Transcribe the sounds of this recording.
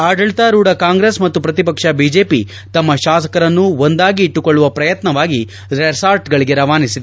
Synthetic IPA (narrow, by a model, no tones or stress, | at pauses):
aːɖɐɭt̪aːɾuːɽɐkaːŋɡɾesmɐt̪ːupɾɐt̪ipɐkʂɐbiːd͡ʒeːpi | t̪ɐmːɐʃaːsɐ̥kɐɾɐnːuond̪aːɡiːʈːukoɭːuʋɐpɾɐjɐt̪nɐʋaːɡi | ɾeɾsaːɾʈɡɐɭiɡeɾɐʋaːnisid̪e